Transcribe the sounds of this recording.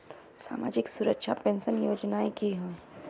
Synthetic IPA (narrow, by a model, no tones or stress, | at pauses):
sa̰ːma̰ːd͡ʒɪksuɾəkʃapẽnsənjoːd͡ʒnaẽkiɦoẽ